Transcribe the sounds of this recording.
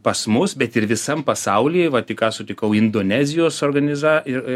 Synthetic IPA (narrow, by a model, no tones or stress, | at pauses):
pɐsmʊsbʲɛt̪ɪrʋʲɪsɐmpɐsɐʊlʲiːʋɐtʲɪkɑːsʊt̪ʲɪkɐʊɪnd̪oːnʲæːzʲɪjoːsoːrɡɐnʲɪzɑːɪ